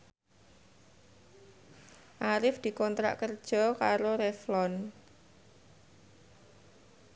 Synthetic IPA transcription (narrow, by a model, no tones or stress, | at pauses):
ʔaɾɪfd̪̥i̤kɔnt̪ɾa̰ʔkərd̥ʒ̥ɔ̤kaɾoɾɛflɔn